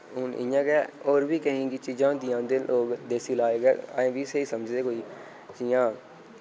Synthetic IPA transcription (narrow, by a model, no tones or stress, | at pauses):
ɦʊnɪ̰jãːɡɛːoːɾbiːkəɦĩːɡit͡ʃiːd͡ʒãːd̪ijãːnd̪eːlʔoːɡd̪eːsiːlaːeːɡɛ̰ːaːẽːbiːseːiːsəməd͡ʒd̪eːkoːiː | t͡ʃijãː